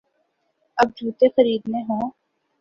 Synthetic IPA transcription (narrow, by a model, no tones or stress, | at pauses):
ɐb̚d͡ʒʱuːt̪exəɾiːd̪mẽɦõː